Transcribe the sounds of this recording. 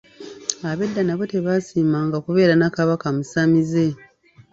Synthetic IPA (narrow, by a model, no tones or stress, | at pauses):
aβe̞dːanaβo̞te̞βaːsiːmaːŋɡakuβe̞ːɾanakaβakamusamize̞